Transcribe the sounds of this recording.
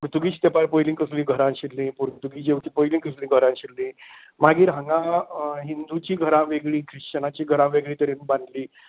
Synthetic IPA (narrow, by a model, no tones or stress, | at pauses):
puɾt̪uɡiːɕt̪epaɾpojlĩŋkəslĩːɡʱəɾãnɕilːĩːpuɾt̪uɡiːd͡ʑeʋʈiːpojlĩŋkəslĩːɡʱəɾãnɕilːĩː | maɡiːɾɦə̃ŋɡãɦind̪ut͡ɕiːɡʱəɾãʋeɡɭiːkʰɾiʂt͡ɕənat͡ɕiːɡʱəɾãʋeɡɭiːt̪əɾenbãnd̪liː